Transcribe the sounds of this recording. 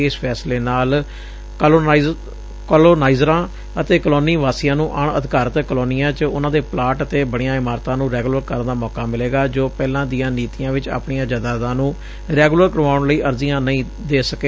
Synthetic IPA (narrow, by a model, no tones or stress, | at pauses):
eːspʰɛːsleːnaːl | koːloːnaːizɾãː | ət̪eːkəloːniːʋaːsijãːnũːʔaɳəd̪ʱɪkaːɾt̪ːkəloːnijãːt͡ʃʊnãːd̪eːplaːʈət̪eːbəɽ̃ijãːɪmaːɾt̪ãːnũːɾɛːɡləɾkəɾənd̪aːmɔːkaːmɪleːɡaːd͡ʒoːpɛːlãːd̪ijãːniːt̪ijãːʋɪt͡ʃa̰ːpɳijãːd͡ʒaːd̪aːd̪ãːnũː | ɾɛːɡuləɾkəɾʋaːʊɳləiːʔəɾziːãːnəĩː | d̪eːsəkeː